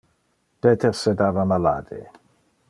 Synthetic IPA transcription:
peːt̪eʁsed̪aːvamala̰ːd̪ḛ

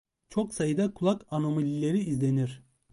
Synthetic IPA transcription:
t͡ʃʰo̞ksajɯd̪akʰulˠakano̞malʲilʲe̞ɾiːzlʲe̞niɾ̥

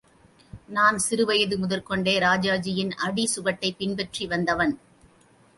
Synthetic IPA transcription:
naːnsɪɾɯʋɐjɐðɯmʊðɐɾkɔɳɖeːɾaːd͡ʒaːd͡ʒɪjɪnʔɐɽisʊɣɐʈːɐɪpːɪnbɛʈriʋɐnd̪ɐʋɐn

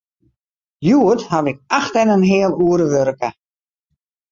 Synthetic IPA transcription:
juəthaʋɪk̚axtɛnənɦɪəlˠuəɾəʋøɾkə

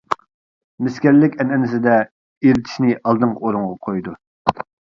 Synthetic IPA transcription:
mɪskʲɛɾlɪkʲɛnɛnɪsɪd̪ɛ | eɾɪt̪ʰɪ̥ʃnɪʔɑlˠd̪ɨɴqɑoɾuŋʁɑqʰojd̪u

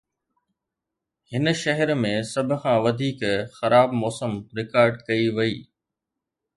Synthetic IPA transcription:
hɪnʃɐɦəɾmẽsɐbʱʊkʰãːʋɐd̪ʱiːkxɐɾʔaːbmɔːsəmɾɪkaːɾɖkɐiʋɐḭː

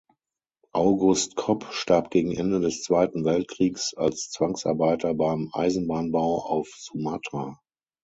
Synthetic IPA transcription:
ʔaʊɡʊstkʰɔpʃtaɐp̚ɡ̥eːɡŋ̩ʔɛndədɛst͡sv̥aɪtn̩vɛlt̚kʁ̥iːksa̰lst͡sv̥aŋsʔa̰ɐbaɪtɐbaɪmʔa̰ɪzn̩baːnbaʊʔa̰ʊfz̥umatʰa

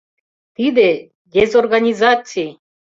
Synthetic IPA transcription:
t̪id̪e | d̪ʲezorɡanʲizat͡sij

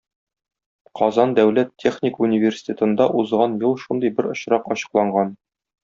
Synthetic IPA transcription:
qɒzɑnd̪æwlæt̪ʲːe̞χnʲɪkunʲivʲersʲi̥t̪ʲet̪ɤ̆nd̪ɑʔuzʁɑnjulˠʃund̪ɤjbɘɾŏɕɾɑqɒɕɤ̥̆qlˠɑɴɢɑn

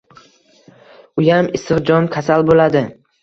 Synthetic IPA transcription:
ʊjamɪsɨqd͡ʒɒnkʲʰasalbolad̪ɪ

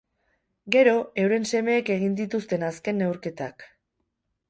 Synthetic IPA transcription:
ɡe̞ɾo̞e̞wɾe̞nse̞me̞ːke̞ɣ̞ind̪it̪ust̪e̞naske̞ne̞wɾke̞t̪ak

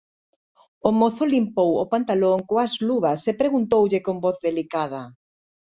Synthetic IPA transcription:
omoθolimpowopant̪aloŋkoazluβɐsepɾeɣunt̪owʎɪkombɔθðelikað̞ɐ

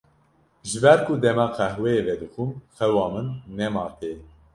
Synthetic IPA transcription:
ʒɨbæɾkʰud̪ɛmɑqʰæhwɛevɛd̪ɨxumxɛwɑːmɨnːɛmɑːt̪ʰe

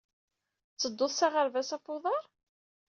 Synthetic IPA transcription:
t͡sːəd̪ːʊðˤsaʁəɾvæsæfʊðˤɑɾˤ

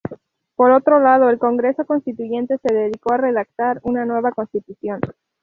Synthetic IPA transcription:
po̞ɾo̞t̪ɾo̞lað̞o̞elko̞ŋɡɾe̞so̞ko̞nst̪it̪uʝe̞nt̪e̞se̞ðe̞ðiko̞are̞ðak̚t̪aɾunanwe̞βako̞nst̪it̪usjo̞n

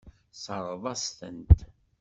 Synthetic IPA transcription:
səɾˤvˤɑsθə̰nt̪

